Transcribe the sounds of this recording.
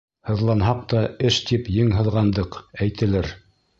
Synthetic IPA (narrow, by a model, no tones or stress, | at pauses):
hɤ̆ðlˠɑnɦɑq̚t̪ɑɘʃt̪ipjɘŋɦɤ̆ðˠʁɑnd̪ɤqæjt̪ɘ̆læɾ